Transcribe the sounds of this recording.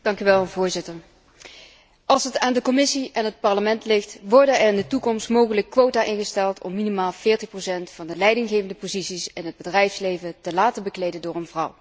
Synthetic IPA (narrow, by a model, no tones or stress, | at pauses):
d̥ɑŋkyʋɛlˠvʊːɹzɪtəɹ | ʔɑlˠsɦətaːndəkɔmɪsiʔɛnɦət̚pɑɹləmɛntlɪxtʋɔɹdənɛrɪndətukɔmstmowχələkːʋowtaːʔɪnχəstɛlˠtʰɔ̰mːinimaːlˠv̥ɪːɹtəχprowsɛntfɑndəlɛjdɪŋɣejvəndəpozitsisɪnɦəd̚bədrɛjfslejvətəlaːtəbəklejdəndʊːrənvrʌw